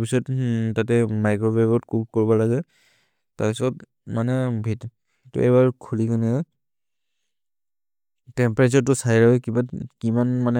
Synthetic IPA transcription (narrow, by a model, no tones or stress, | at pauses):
pisɔttatɛmajkɹɔbɛbɔtkup̚koɹibɔlaɡɛ | taɹpisɔt | manɛbʱit | xitṵɛbaɹkʰulikɔnɛɔ | tɛmpɹat͡ʃɔɹtʊsaiɹaɔkibakimanmanɛ